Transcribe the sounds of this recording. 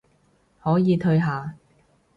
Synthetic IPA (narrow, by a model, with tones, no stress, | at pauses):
hɔː˨˥jiː˨˧t̪ʰɵ˧ɥɦaː˨˧